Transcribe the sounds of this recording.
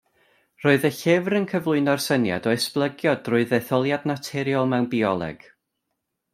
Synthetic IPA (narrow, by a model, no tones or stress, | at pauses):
roːɨðəɬɪvrənkʰəvlˠʊɨnɔrsənja̰dɔɛsplˠəɡjɔdrʊɨðɛθɔlˠjadnatʰɛɾjɔlˠmɛwnbiɔlˠɛ̰ɡ̥